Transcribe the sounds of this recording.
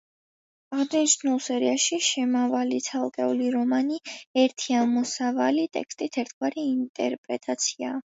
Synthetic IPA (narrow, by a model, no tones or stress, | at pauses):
aʁd̪aniʃnulˠsɛɾiaʃiʃɛmavalit̪sʰalˠkʼɛuliɾɔmaniɛɾt̪ʰiamɔsavalit̪ʼɛ̰kst̪ʼit̪ʰɛɾt̪ʰɡwaɾiːnt̪ʼɛ̰ɾpʼɾɛt̪ʼat̪sʰiaː